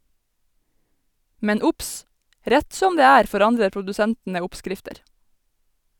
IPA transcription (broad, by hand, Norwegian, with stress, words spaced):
ˈmɛn ˈʊps ˈɾæt ˈsɔm ˈdeː ˈæːɾ fɔˈɾɑndə pʊdʉˈsæntnə ˈʊpˌskɾɪftəɾ